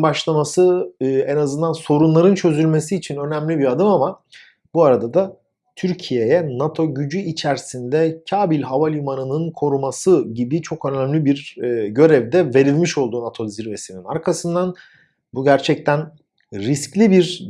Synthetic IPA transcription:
baʃlˠamasɯɯɛnazɯnd̪anso̞ɾunlˠaɾɯnt͡ʃʰø̞zylʲme̞siːt͡ʃʰinø̞næmlʲibiɾad̪ɯmama | buaɾad̪ad̪a | t̪ʰyɾcʰije̞jɛnat̪ʰo̞ɟyd͡ʒyit͡ʃʰæɾsind̪ɛcʰaːbilʲɦavalʲumanɯnɯnkʰo̞ɾumasɯɟibit͡ʃʰo̞kø̞næmlʲibiɾɟø̞ɾɛvd̪ɛve̞ɾilʲmiʃo̞lˠd̪uːnat̪ʰo̞ziɾve̞sininaɾkʰasɯnd̪an | buɟæɾt͡ʃʰɛc̚t̪ʰæn | ɾisclʲibiɾ

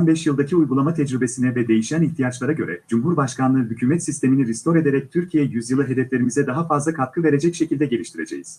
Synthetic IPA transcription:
anbɛʃjɯlˠd̪acʰiujɡulˠamat̪ʰɛd͡ʒɾybe̞sinɛvɛd̪e̞jiʃæniçt̪ʰijat͡ʃlˠaɾaɟøɾɛ̰d͡ʒumɦuɾbaʃkanˠɯɦycʰyːmɛt̪sist̪ʰe̞miniɾist̪o̞ɾe̞d̪e̞ɾɛc̚t̪ʰyɾcʰijɛjyzjɯlˠɯɦe̞d̪ɛflʲe̞ɾimizɛd̪aɦafazlˠakʰat̪̚kʰɯve̞ɾe̞d͡ʒɛcʃecʰilʲd̪ɛɟe̞lʲiʃt̪ʰiɾe̞d͡ʒe̞̰jiz̥

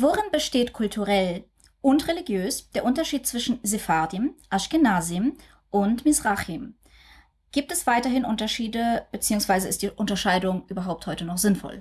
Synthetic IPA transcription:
voːʁɪnbəʃteːtkʰʊltʰuʁɛl | ʔʊntʁeliɡjøːsd̥eːɐʔʊntɐʃiːtt͡sv̥ɪʃn̩zefadiəmʔaʃkɪnaːzim | ʔʊntmɪsʁaχim | ɡ̥iːp̚tɛsv̥aɪtɐɦɪnʔʊntɐʃiːdəb̥ət͡siːʊŋsv̥aɪzəɪst̚d̥iːʔʊntɐʃaɪdʊŋʔyːbɐɦaʊp̚thɔʏtənɔχz̥ɪnfɔ̰l

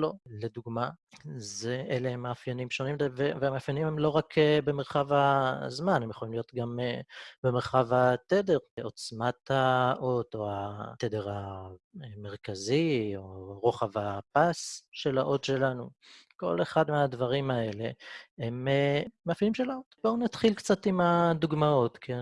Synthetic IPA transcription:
lo̞led̪uɡmazeʔeleemaːfjanimʃo̞nimevevemaafjanimemlo̞ʁakʰebemeʁχavazmanemjeχolimlijot̪ɡamebemeʁχavat̪ede̞ʁo̞t͡smat̪aʔo̞t̪o̞at̪ede̞ʁa | me̞ʁkazioʁoχavapasʃe̞laʔo̞tʃe̞lanuko̞̰leχad̪meadvaʁimae̞le̞ememeafjanimʃelaot̪bounat̪χilkt͡sat̪imad̪uɡmao̞t̪kʰe

